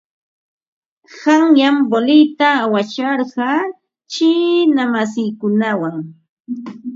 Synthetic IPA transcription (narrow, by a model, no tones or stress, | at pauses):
hɑŋjambolɪjt̪awat͡ʃɑɾɢɑ | t͡ʃɪnamas̬ɪjkʊnawaŋ